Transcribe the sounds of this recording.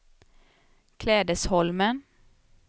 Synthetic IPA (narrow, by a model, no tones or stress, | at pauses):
kʰlɛːd̪əshɔlmən